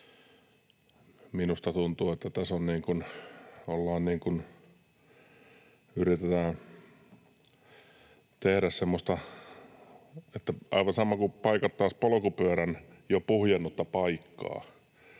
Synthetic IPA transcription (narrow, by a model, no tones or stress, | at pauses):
minust̪ɑt̪unt̪uːet̪ːæt̪æsonniːŋkunolːɑːnniːŋkun | yrit̪et̪æː | t̪ehɾæssemːost̪ɑ | et̪ːæʔɑ̰iʋɑnsɑmɑkupɑikɑt̪ːɑːspolŏkupyæɾæn | jopuhjenːut̪ːɑpɑikːɑ̰ː